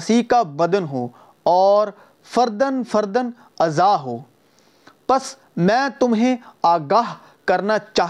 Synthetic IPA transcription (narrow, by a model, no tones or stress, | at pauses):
sikabɐd̪ənɦoː | ɔːɾ | fəɾd̪ənfəɾd̪ən | ɐzaːɦoː | pɐs | mɛ̃ːt̪ʊmɦẽaːɡaːɦ | kɐɾnat͡ʃaːɦ